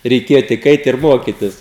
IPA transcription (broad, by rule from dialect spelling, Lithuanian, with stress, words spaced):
rʲɛɪˈkʲeːjɛ tʲɪk ˈɐɪt ɪr ˈmoːkʲɪtʲɪs